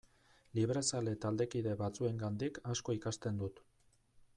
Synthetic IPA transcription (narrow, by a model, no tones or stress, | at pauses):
liβɾe̞sale̞t̪ald̪e̞kið̞e̞βat͡sue̞ŋɡand̪ikasko̞ikast̪e̞nd̪ut̪